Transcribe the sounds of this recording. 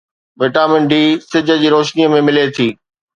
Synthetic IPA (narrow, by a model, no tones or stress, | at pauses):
ʋeʈaːmɪ̃ɳɖʱisɪd͡ʑʱə̆d͡ʑiːɾoːʃniəmẽmɪlet̪ʰiː